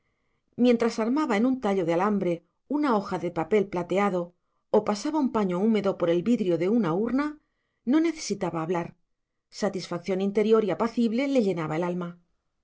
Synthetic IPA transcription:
mje̞nt̪ɾasaɾmaβae̞nunt̪aʎo̞ðealambɾe̞ | unao̞xaðe̞pape̞lplat̪e̞aðo̞ | opasaβaumpaɲo̞ume̞ðo̞po̞ɾe̞lβiðɾjo̞ðe̞unauɾna | no̞ne̞θe̞sit̪aβaːβlaɾ | sat̪isfak̚θjo̞nint̪e̞ɾjo̞ɾiapaθiβle̞le̞ʎe̞naβaelalma

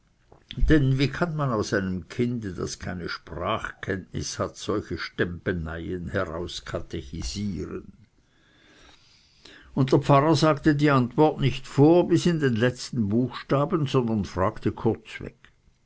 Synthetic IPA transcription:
d̥ɛnviːkʰanmanaʊsaɪnəmkʰɪndəda̰skʰaɪnəʃpʁaːχkʰɛntnɪ̰shatz̥ɔlçəʃtɛmpəna̰ɪənhɛʁa̰ʊskʰatʰeçiz̥iːʁə̰n | ʊnt̚d̥eɐpp͡faʁəzaːktədiːantv̥ɔɐtnɪçtfoːɐbɪsɪndenlɛt͡stn̩buːxʃtaːbənzɔndɐnfʁ̥aːktəkʰʊɐt͡svɛ̰k

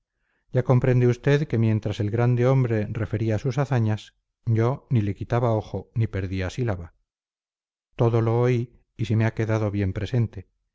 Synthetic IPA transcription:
ɟ͡ʝako̞mpɾe̞nd̪eust̪e̞ðke̞mje̞nt̪ɾase̞lɣɾand̪e̞o̞mbɾe̞re̞fe̞ɾiaːsusaθaɲas | ɟ͡ʝo̞nile̞kit̪aβao̞xo̞nipe̞ɾðiasilaβa | t̪o̞ðo̞lo̞ːiː | simeake̞ðaðo̞βje̞mpɾe̞se̞nt̪e̞

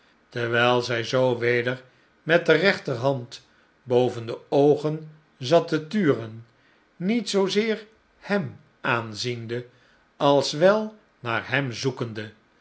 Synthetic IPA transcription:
təɹʋɛjlˠzɛjzowʋejdəɹ | mɛt̚dərɛχtəɹɦɑnt | bowvəndəowχən | zɑtətyːrən | nitsowzɪːɹ | hɛm | ʔaːnzində | ɑlˠsʋɛlˠ | naːɹɦɛmzukəndə

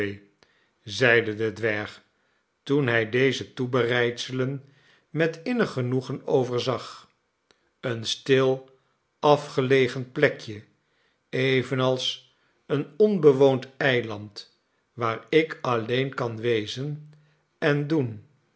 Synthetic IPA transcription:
zɛjdədədʋɛɹχ | tunɦɛjdejzətubərɛjtsələn | mɛtɪnəχənuχənowvəɹzɑχ | ənstɪlˠ | ɑfχəlejχənplɛkjə | ejvənɑlˠs | ənɔnbəʋowntɛjlɑnt | ʋaːɹɪkɑlejnkɑnʋejzən | ɛndun

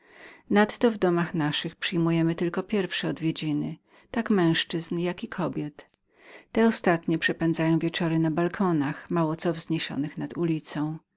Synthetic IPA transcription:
nat̪ːɔvd̪ɔmaxnaʂɘxpʂɘjmujɛmɘt̪ɘlkɔpʲjɛɾfʂɛɔd̪vʲjed͡ʑinɘ | t̪akmɛ̃w̃ʂt͡ʂɘznjakikʰɔbʲjɛt̪ | t̪ɛɔst̪at̪ɲɛpʂɛpɛnd̪zajɔ̃w̃vʲjɛt͡ʂɔɾɘnabalkʰɔnaxmawɔt̪sɔvzɲeɕɔ̰nɘxnad̪ulʲit̪sɔ̃w̃

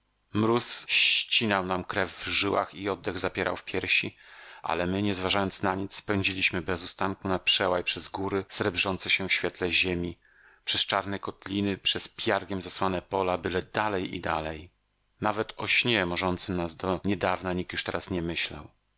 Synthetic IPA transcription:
mɾusɕt͡ɕinawnamkɾɛvːʐɘwa̰xiɔd̪ːɛɣzapʲjɛɾʔa̰wfpʲjɛɾɕiʔa̰lɛmɘɲɛzvaʐajɔnt̪snaɲit̪sspɛɲ̃d͡ʑilʲiɕmɘbɛzust̪aŋkunapʂɛwajpʂɛzɡuɾɘsɾɛbʐɔnt̪sɛɕɛfɕfʲjɛt̪lɛʑemʲi | pʂɛst͡ʂaɾnɛkɔt̪lʲinɘpʂɛspʲjaɾɡʲɛmzaswanɛpɔlabɘlɛd̪alɛjḭd̪alɛj | navɛt̪ɔɕɲɛmɔʐɔnt̪sɘnazd̪ɔɲɛd̪avnaɲikjuʂt̪ɛɾasɲɛmɘɕla̰w

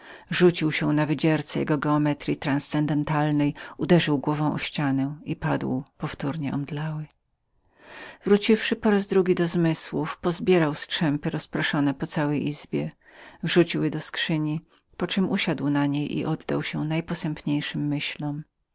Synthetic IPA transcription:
ʐut͡ɕiwɕɛ̃navɘd͡ʑɛɾt̪sɛjɛ̰ɡɔɡɛɔmɛt̪ɾʲit̪ɾanst̪sɛnd̪ɛnt̪alnɛjud̪ɛʐɘwɡwɔvɔ̃w̃ʔɔ̰ɕt͡ɕanɛipad̪wpɔft̪uɾɲɛʔɔmd̪lawɘ | vɾut͡ɕifʂɘpɔɾazd̪ɾuɡʲid̪ɔzmɘswufpɔzbʲjɛɾawstʂɛmpɘɾɔspɾɔʂɔnɛpɔt̪sawɛjʔizbʲjɛ | vʐut͡ɕiwjɛd̪ɔskʂɘɲi | pɔt͡ʂɘmʔuɕad̪wnaɲejʔḭʔɔd̪ːa̰wɕɛnajpɔsɛmpɲejʂɘmːɘɕlɔm

